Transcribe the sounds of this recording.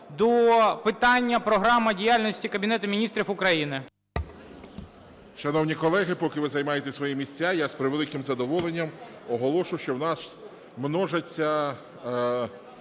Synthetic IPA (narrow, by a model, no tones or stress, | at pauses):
d̪ɔpɪt̪ɑnʲːɐpɾɔɦɾɑmɐdʲijalʲnɔsʲtʲikɐbʲinɛt̪ʊmʲinʲist̪ɾʲifʊkɾɐjinɪ | ʃɐnɔwnʲikɔlˠɛɦɪpɔkɪʋɪzɐjmɑjet̪esʋɔjimʲisʲt͡sʲajaspɾɪʋelˠɪkɪmzɐd̪ɔʋɔlˠenʲːɐmɔɦɔlˠɔʃʊjwʃt͡ʃɔwnɑs | mnɔʒɐt͡sʲːɐ